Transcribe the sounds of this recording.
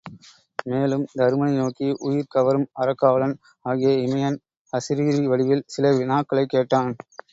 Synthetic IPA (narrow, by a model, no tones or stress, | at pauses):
meːlɯmd̪ʱɐɾmɐnɐɪnoːkiʔʊjɪɾkɐʋɐɾɯmɐɾɐkːaːʋɐɭɐn | aːɣɪjɐɪmɐjɐn | ɐsɪɾiːɾiʋɐɭɪʋɪlsɪlɐʋɪnaːkːɐɭɐɪkːeːʈːaːn